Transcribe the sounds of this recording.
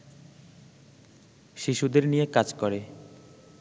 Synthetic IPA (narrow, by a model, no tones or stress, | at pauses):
ʃiʃud̪eɾnijekad͡ʑkɔɾe